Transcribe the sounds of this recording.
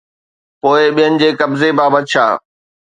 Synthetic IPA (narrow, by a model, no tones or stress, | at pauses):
poːɪɓijənɪ̆d͡ʑeːkɐbzebaːbɐt̪̚ʃʰa̰ː